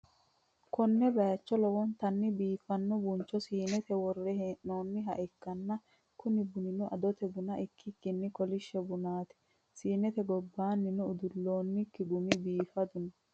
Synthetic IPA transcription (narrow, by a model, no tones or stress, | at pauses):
kɔnːɛbɐjɐt͡ʃːɔlɔwɔnt̪ɐnːɪbiːfɐnːɔbʊnt͡ʃːɔsiːnɛt̪ɛwɔrːɛɦeːʔnoːnːɪɦɐ̰ʔɛkːɐnːɐ | kʊnɪbʊnɪnʊʔɐd̪ɔt̪ɛbʊnɐʔɪkʰːɪkːɪnːɪkɔlɪʃːɛbʊnaːt̪ɛ̥ | siːnɛt̪ɛɡɔbːaːnːɪnʊʊd̪ʊlːoːnːɪkːɪɡʊmɪbiːfɐd̪ʊnɐ